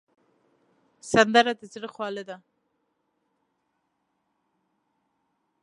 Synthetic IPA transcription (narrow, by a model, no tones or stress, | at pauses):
sand̪aɾad̪əzɽəxwɑləd̪a